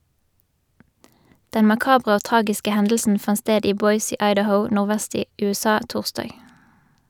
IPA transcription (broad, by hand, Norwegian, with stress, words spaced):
ˈdɛn mɑˈkɑːbʁə ˈoː ˈtʁɑːɡɪskə ˈhɛndl̩sn̩ ˈfɑn ˈsteːd ˈiː ˈbɔʏs ˈiː ɑɪdəˈhəʊ ˌnʊʁˈʋæst ˈiː ˌʉːˈsɑː ˈtuːʁstɑːɡ